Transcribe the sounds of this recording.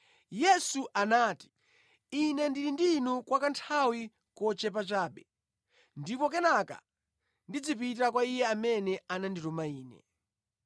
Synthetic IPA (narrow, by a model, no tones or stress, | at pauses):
jɛsuʔanaːti̥ | inɛndiɾindinukwakantʰawi | kɔt͡ʃɛp̬at͡ʃaːɓɛ | ndipɔk̬ɛnaka̰ | ndid͡zip̬itakwaijɛamɛnɛananditɔmaiːnɛ̰